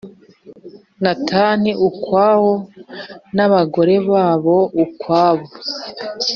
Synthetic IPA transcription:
nataniʔukwaːho | naβaɡo̞ɾe̞βaːβo̞ukwaːβo

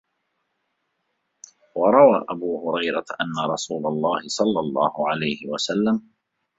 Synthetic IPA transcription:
wɑɾˤɑwaːʔabuːhʊɾɑjɾaʔanːaɾˤɑsuːlɑlˤːɑːhɪsˤɑlːɑlˤːɑːhʊʕalajhɪwasalːam

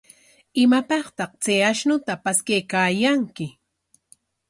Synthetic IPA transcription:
ɪmapɑχt̪ɑχt͡sajaʃnʊt̪apaskajkaːjaŋkɪ

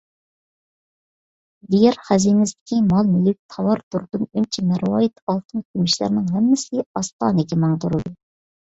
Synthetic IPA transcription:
d̪ijɛɾχæzinɪst̪ɪ̥kʲʰimɑlˠmelɪk̚ʲt̪ʰɑwɑɾd̪uɾd̪unynt͡ʃʰimæɾwɑːjit̪ʰɑlˠt̪ʰɨnkʲʰymɪʃlæ̰ɾnɪŋɦɛmːɪsɪɑst̪ɑ̰ːnɨɡʲimɑŋd̪uɾɨd̪u

